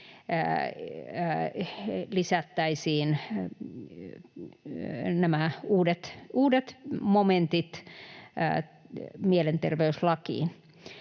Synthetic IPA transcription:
lisæt̪ːæisiːn | næmæuːdet̪uːdet̪moment̪it̪ː | mielent̪erʋeyslɑkḭːn

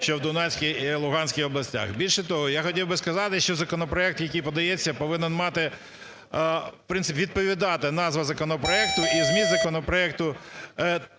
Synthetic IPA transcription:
ʃt͡ʃɔwd̪ʊnɛsʲkʲijilˠʊɦɑnʲsʲkʲɪjxɔblˠɐsʲtʲa̰xbʲilʲʃɛt̪ɔɦɔjaxɔtʲiwbɪskɐzɑt̪ɪʃt͡ʃɔzɐkɔnɔpɾɔɛk̚t̪jɐkʲijpɔd̪ɐjet͡sʲːɐpɔʋɪnɛnmɑt̪ɪ | pɾɪnɪpʲʋʲid̪̚pɔʋʲid̪ɑt̪ɪnɑzʋɐzɐkɔnɔpɾɔɛk̚t̪ʊʔizmʲizɐkɔnɔpɾɔɛk̚t̪ʊ

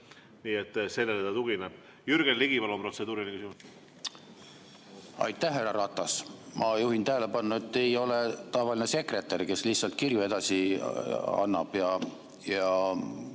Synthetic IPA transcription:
niːet̪ːselːelet̪ɑt̪uɡineb̥ | jyɾɡ̥enliɡ̥ivɑlopro̞t̪sed̪uːɾinikysimu | ɑ̰jt̪ːˑæhɦærːɑɾɑt̪ːˑɑsmɑjuhint̪æɦæle̞pɑnːɑe̞t̪ːe̞jo̞le̞t̪ɑevɑline̞se̞kre̞t̪ːˑerʲke̞slihtsɑlt̪̚kirjue̞d̪̥ɑsi | ɑ̰nːɑb̥jɑ | jɑ

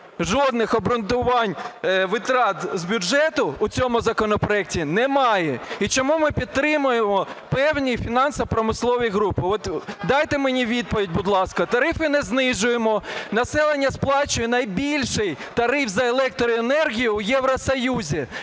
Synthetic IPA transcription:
ʒɔd̪̚nɪxɔbɾʊnt̪ʊʋɑnʲʋɪt̪ɾɑt̪zbʲʊd͡ʒɛt̪ʊːt͡sʲɔmʊzɐkɔnɔpɾɔɛk̚tʲinɛmɑjɛit͡ʃɔmumɪpʲid̪t̪ːɾɪmʊjemɔpɛwnʲifʲinɑnsɐpɾɔmɪslˠɔʋijɦɾupɪɔt̪d̪ɑjt̪ɪmenʲiʋʲid̪̚pɔʋʲidʲbʊd̪lˠɑskɐt̪ɐɾɪfɪnɛznɪʒʊjemɔnɐsɛlˠenʲːɐsplˠɑt͡ʃʊjɛnɐjbʲilʲʃɪjt̪ɐɾɪfzɐelˠɛk̚t̪ɾɔenɛrɦʲijʊːjɛʋɾɔsɐjuzʲi

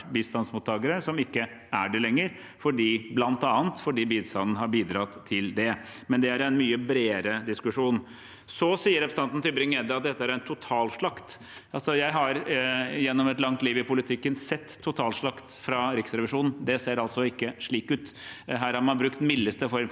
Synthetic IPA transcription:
biːst̪ɑnsmuːt̪ʰːɑːɡəɾəsɔmɪkːə | æɖɛlɛŋːəɾ | fɔɖiːblɑnt̪ɑːənt̪fɔɖiːbiːd̪sɑnn̩ɦɑɾbiːd̪ɾɑt̪ʰːɪld̪ɛmɛnd̪ɛæɾɛnmyːəbɾeːɾəd̪ɪskʉʂuːn | sɔsiːəɾɛpɾəsɑnt̪n̩t̪ʰʏbɾɪŋɛd̪əɑt̪̚d̪ɛt̪ːəæɾɛnt̪ʰʊt̪ʰɑːlʂɭɑkt̪ | ʔɑlsɔjæɪɦɑɾjɛnːɔmɛt̪lɑŋt̪liːʋɪpʰʊlɪt̪ʰɪkːənsɛt̪ʰːʊt̪ʰɑːlʂɭɑkt̪fɾɑɾɪksɾɛʋɪʂuːnn̩d̪ɛseːɾɑlsɔɪkːəʂɭiːkʉːt̪ | ɦæːɾhɑɾmɑnbɾʉkt̪mɪlːəst̪əfɔɾ

